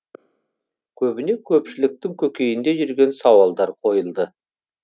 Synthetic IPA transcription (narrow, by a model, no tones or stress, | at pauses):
kʲʰɵbɪne̞kʲʰɵpʃɪlɪk̚t̪ɪŋkʲʰɵkʲe̞jɪnd̪e̞ʒʏɾɡʲe̞nsɑwɑlˠd̪ɑɾqʰo̞jəlˠd̪ə